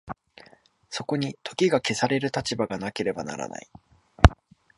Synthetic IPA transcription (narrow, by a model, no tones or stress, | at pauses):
so̞ko̞ɲ̟it̪ʰo̞kʲiɡake̞saɾe̞ɾɯ̟t̪at͡ɕibaɡanake̞ɾe̞bana̰ɾa̰na̰i